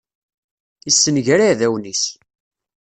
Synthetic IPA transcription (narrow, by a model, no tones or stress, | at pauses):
isːənʝæɾaðæwnis